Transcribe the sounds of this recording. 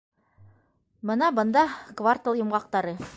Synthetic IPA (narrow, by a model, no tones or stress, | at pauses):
bɤnɑbɤ̆nd̪ɑkvart̪olˠjŏmʁɑq̚t̪ɑɾɤ